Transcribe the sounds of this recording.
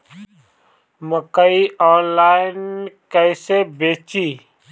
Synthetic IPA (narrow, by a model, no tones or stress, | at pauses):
məkəiɔːnlaːɪnkəɪsebeːt͡ʃiː